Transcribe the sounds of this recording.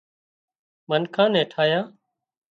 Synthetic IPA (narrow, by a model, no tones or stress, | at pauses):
mənkʰãːnɛ̃ːʈʰaːjãː